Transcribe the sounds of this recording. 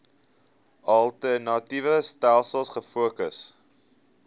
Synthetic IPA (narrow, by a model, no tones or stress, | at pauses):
ɐlˠtənɑtivəstælˠsəlˠsχəfuəkəs